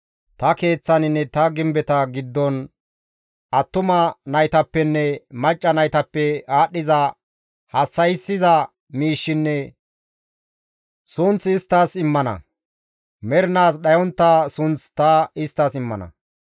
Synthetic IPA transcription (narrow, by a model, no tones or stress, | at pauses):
t̪ɐke̞ːt͡sːɐnɪnːɛt̪ɐɡɪmbɛt̪ɐɡɪd̪ːɔn | ʔɐt̪ːʊmɐnɐjt̪ɐpːɛnːɛmɐt͡ʃʼːɐnɐjt̪ɐpːɛaːɗːɪzɐ | hɐsːɐjsːɪzɐ | miːʃːɪnːɛ | sʊnt͡sɪst̪ːaːsɪmːɐnɐ̰ | mɛɾnaːsɗɐjɔnt̪ːaːsʊnt͡st̪ɐɪst̪ːaːsɪmːɐ̰nɐ̰